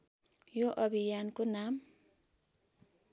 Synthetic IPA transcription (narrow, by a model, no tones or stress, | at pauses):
joʔʌbʱijankonam